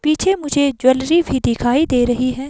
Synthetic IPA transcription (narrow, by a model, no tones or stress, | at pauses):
piːt͡ʃʰemʊd͡ʒʱed͡ʒwɐlɾibʱid̪ɪkʰaːid̪eːɾɐɦiɦɛ̃ː